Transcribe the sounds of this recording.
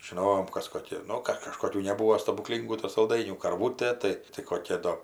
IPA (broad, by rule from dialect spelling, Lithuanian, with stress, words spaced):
ʒʲɪˈnoːjoːm ˈkɐs koːˈkʲɪ ˈnʊ kɐt kɐʃkoːˈkʲuː nʲɛˈbuːoː stɐbʊˈklʲiːŋɡuː tʊ sɐlˠˈdɐɪnʲuː kɐrˈʋuːtʲeː ˈtɐɪ tɐɪ koːˈkʲɛ ˈdoː